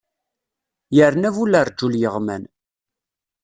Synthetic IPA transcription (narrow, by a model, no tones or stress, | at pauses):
jəɾnævuləɾd͡ʒːuljəʁmæn